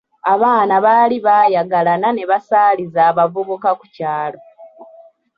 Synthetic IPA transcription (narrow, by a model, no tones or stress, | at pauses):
aβaːnaβaːliβaːjaɡalanane̞βasaːlizaːβavuβukaku̥caːlo̞